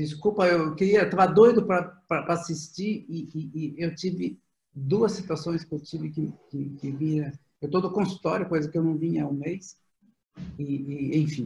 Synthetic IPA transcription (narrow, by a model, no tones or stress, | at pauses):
d͡ʒiskupɐewewkɪɾiɐt̪avɐd̪ojd̪ʊpɾɐpɾɐpɾɐasist͡ʃiɾɪɪːewt͡ʃivɪ | d̪uɐsːit̪uasõj̃skɪewt͡ʃivɪkɪkɪkɪviɾɐ | ewt̪od̪ʊkõsu̥t̪ɔɾjʊkojzɐkɪewnɐ̃w̃vĩɲɐũmejs | ɪːẽj̃fĩ